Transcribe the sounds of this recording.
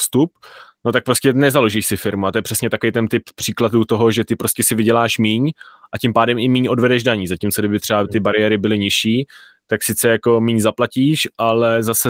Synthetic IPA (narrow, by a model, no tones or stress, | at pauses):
fst̪up̚no̞t̪ak̚pɾo̞scɛnɛzaloʒiːʃsɪfɪɾmuat̪ojɛpr̥ɛsɲɛt̪akovijt̪ɛnt̪ɪppr̝̥iːkladuːt̪oɦo̞ʒɛt̪ɪpɾoscʲɛsɪvɪɟɛlaːʃmiːɲʔacɪmpaːdɛmɪmiːɲo̞dvɛdɛʒdaɲiːzacimt͡soɡdɪbɪt̪r̥ɛbat̪ɪbaɾɪjɛɾɪbɪlɪɲɪʃiː | t̪aksɪt͡sɛjako̞miːɲzaplaciːʃʔalɛzasɛ